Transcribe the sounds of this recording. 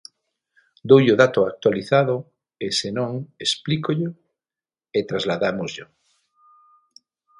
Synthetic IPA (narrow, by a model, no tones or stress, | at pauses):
d̪owʎoðat̪oak̚t̪waliθaðʊ | esenõŋesplikoʎo | et̪ɾazlaðamozʎo